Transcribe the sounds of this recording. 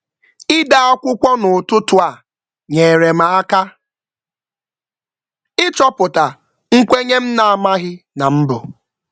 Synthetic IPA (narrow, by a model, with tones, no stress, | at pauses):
ɪ˦da˦a˦kʷʊ˦kʷɔ˦nʊ˨tʊ˦tʊ˨a˨ | ɲe˨ɾe˨ma˨a˦ka˦ | ɪ˦t͡ʃɔ˦pʊ˨ta˨ | ŋ̩˦kʷe˦ɲe˦m̩˦na˨a˨ma˦ɣɪ˦na˨m̩˦bʊ˨